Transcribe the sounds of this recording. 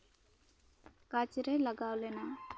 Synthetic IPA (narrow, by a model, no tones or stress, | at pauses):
kaːt͡ʃiɾɐjlɐɡaːwlena